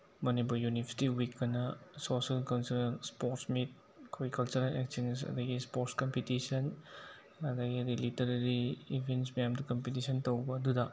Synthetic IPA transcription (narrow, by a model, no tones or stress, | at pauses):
mɐnipuɾjunipʰɐsi̥tiwikːɐnɐsosɐlkɐwnsɐɾspoɾtsmit̚ | koɡikɐlt͡ʃuɾalek̚sins̬ɐ̰dɐɡispoɾtskɔmpitisɐn | ɐdɐɡiɐdilitɐɾɐɾiːbʱensmɐjamdɐkɐmpitisɐntowbɐːdudɐ